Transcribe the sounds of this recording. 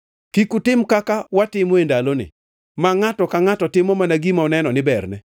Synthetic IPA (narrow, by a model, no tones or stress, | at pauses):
kikutɪmkakawatɪmwendalonɪ̰ | maŋatɔkaŋatɔtɪmɔmanaɡimaɔnɛnɔnɪbɛrnɛ